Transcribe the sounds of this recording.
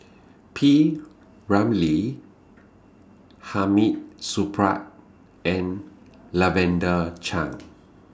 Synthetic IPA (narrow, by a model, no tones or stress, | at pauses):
pʰi | ɹãmli | hamit̚supʰɹa̰t̚ | ɛ̃n | lavɛ̃ndət͡ʃʰã̰ŋ